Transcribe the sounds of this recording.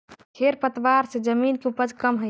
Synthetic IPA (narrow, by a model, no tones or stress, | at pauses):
kʰeɾpət̪ʋaɾsẽd͡ʒəminkeupəd͡ʒʱkəmɦə